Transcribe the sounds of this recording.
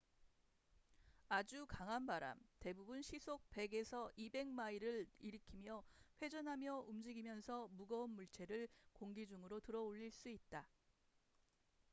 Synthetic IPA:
ad͡ʑukaŋɦanbaɾa̰mte̞bubunɕʰisʰok̚p͈e̞ɡe̞sʰʌʔibe̞ŋmaiɾɯɾiɾɯkʰimjʌɸwe̞d͡ʑʌnɦamjʌumd͡ʑiɡimjʌnsʰʌmuɡʌunmuɭt͡ɕʰe̞ɾɯɭkoŋɡid͡ʑuŋɯɾotɯɾʌoʎːiɭs͈uit̚t͈a

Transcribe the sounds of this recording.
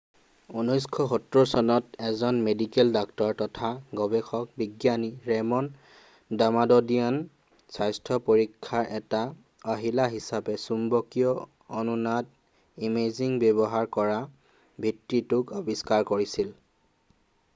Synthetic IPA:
unujskʰɔxɔtɹɔsɔnɔtɛzɔnmedikɛldɔktɔɹtɔtʰaɡɔbɛxɔk̚biɡjaniɹɛmɔn | damadɔdian | sajstʰɔpoɹikʰːaɹʔɛta | ɔɦilaɦisapɛsumbɔkijɔ | ɔnunad | imeziŋbebɔɦaɹkɔɹa | bʱitːitʊkɔbiskaɹkoɹisil

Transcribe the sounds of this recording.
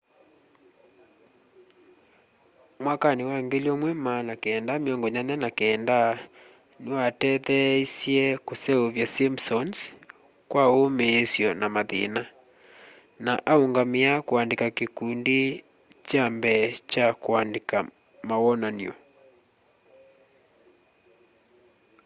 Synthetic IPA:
mwakanewaŋɡeliɔmwɛmanakeːndameɔŋɡɔɲaɲanakeːnda | newatɛðɛisjɛkosɛoβjasimsɔns | kwaomeːsjɔnamaðḛna | naʔaoŋɡameakoandekakekunde | t͡ʃambɛt͡ʃakoandeka | mawɔnaniɔ

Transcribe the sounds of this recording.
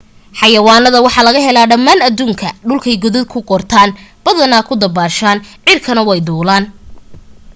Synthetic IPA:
ħɑjɐwaːnɐðɐwɑħɑlɐɣɐɦɛlaːɖɐmːaːnɐd̪uːŋkʰɐɖʊlkʰɛjɡɔðɪd̪̚kʰʊqɔrt̪ʰaːnb̥ɐðɐnaːkʰʊd̪ɐbaːʃaːnʕɪrkʰɐnɐwɛjd̪uːlaːn

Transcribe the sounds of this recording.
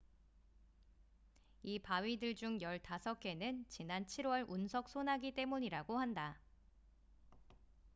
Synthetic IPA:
ipaɥidɯɭd͡ʑuŋjʌɭtasʰʌkʰe̞nɯnt͡ɕinant͡ɕʰiɾwʌɭunsʰʌk̚s͈ʰonaɡit͈e̞muɲiɾaɡohanda

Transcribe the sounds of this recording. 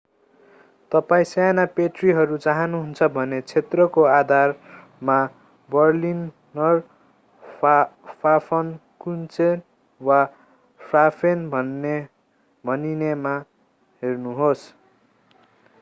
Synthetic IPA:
t̪ʌpaĩsanapeʈriɦʌɾut͡saɦʌnuɦunt͡sʰʌbʱʌnet͡sʰet̪rʌkoad̪ʱar | ma | bʌrlinː | ʌr | pʰapʰʌnkunt͡sen | wa | prapʰenbʱʌn | bʱʌninema | ɦernuɦos

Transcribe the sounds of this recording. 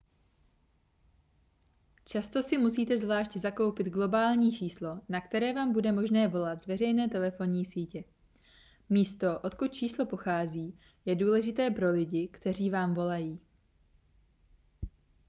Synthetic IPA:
t͡ʃast̪o̞sɪmusiːt̪ɛzvlaːʃczako̞wpɪd̪ɡlo̞baːlɲiːt͡ʃiːslo̞nakt̪ɛɾɛːvaːmbudɛmo̞ʒnɛːvo̞lat̪zvɛrɛjnɛːt̪ɛlɛfo̞nɲiːsiːcɛ | miːst̪o̞ʔo̞t̪kut̪̚t͡ʃiːslo̞po̞xaːziː | jɛduːlɛʒɪt̪ɛːpɾo̞lɪɟɪkt̪ɛr̝iːvaːmvo̞lajiː

